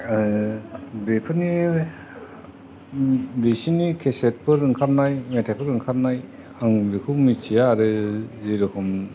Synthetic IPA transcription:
bepʰɯni | bisinikʰeset̚pɯɾɯŋkʰaɾnajmetʰapʰɯɾɯŋkʰaɾ̚naj | aŋɾɯkʰɯmit͡ʃʰijaːɾɯziɾɯkʰɔm

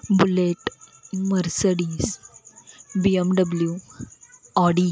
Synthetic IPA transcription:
buleʈmɐɾsəɽiːs | biemɖɐbəlju | ɔɖi

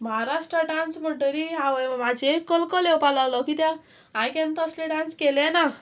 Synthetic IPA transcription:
mʌɦaɾasʈɾʌʈansboʈəɾiawʌjmamat͡sekʌlkɔlewpalawlɔkit̪ja | ɦajkant̪ʌsleɖanskelena

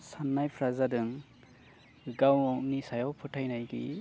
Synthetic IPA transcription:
sanːajpʰɾazadɯŋ | ɡawɔk̚nisajawpʰɯtʰajnajɡḭ

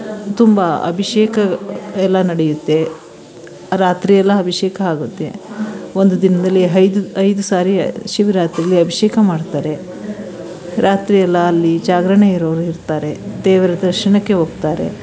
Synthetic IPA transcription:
t̪umbɐɐ̰bʱiʃeːkɐɛlːɐnɐɽejut̪ːe̞ | ɾaːt̪ɾijɛlːɐɐbʱiʃeːkɐaːɡut̪ːe̞ond̪ud̪inɐd̪ɐlːiɦɐjd̪uɐjd̪usaːɾiʃiʋiɾaːt̪ɾiɐlːiɐbʱiʃeːkɐmaːɽt̪aːɾe̞ | ɾʔaːt̪ɾijɛlːɐːlːid͡ʒaːɡɾɐɳeiɾɐʋɾuiɾt̪aːɾe̞d̪ɛːʋɐɾɐd̪ɐɾʃɐɳɐkːe̞ɦoːɡ̚t̪aːɾe̞̰

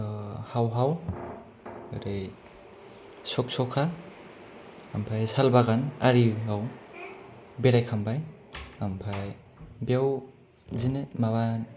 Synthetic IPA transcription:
hawɦaw | ɯɾaj | sɔk̚sɔkʰa | ampʰajsalbaɡanaɾiɦaw | beɾajkʰambaj | ampʰaj | bjaw | zinemaβan

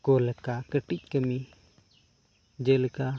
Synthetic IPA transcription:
kɔlɛkakəʈic̚kəmi | d͡ʒɛlɛka

